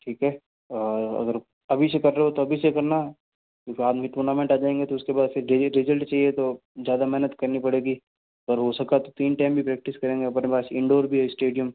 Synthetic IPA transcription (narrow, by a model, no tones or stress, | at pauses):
ʈʰiːkɦɛː | ɐ̰ɡəɾ | ɐbʱisekɐɾːeɦɦot̪oɐbʱisekɐɾna | kjõːkiaːd̪miʈuːɾnaːmẽɳʈaːd͡ʒaːẽːŋɡet̪oʊskebaːd̪fɪɾɾɪzəlʈt͡ʃaːɦiet̪o | zjaːd̪amɛɦnət̪kɐɾnipɐɽeːɡi | ɐɡəɾɦosɐkat̪ot̪iːnʈaːɪmbʱipɾɛːk̚ʈɪskɐɾẽːŋɡeɐpnepaːsɪ̃ɳɖoːɾbʱiɦɛɪsʈeːɖijəm